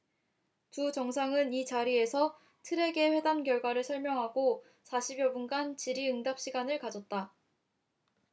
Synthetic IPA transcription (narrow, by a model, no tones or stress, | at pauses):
tut͡ɕʌŋsʰaŋɯnit͡ɕaɾie̞sʰʌ | tʰɯɾe̞ɡe̞ɸwe̞damkjʌɭɡwaɾɯɭsʰʌɭmjʌŋɦaɡo | sʰaɕʰibjʌbunɡant͡ɕiɾiɯŋdap̚ɕ͈iɡanɯɭkad͡ʑʌt̚t͈a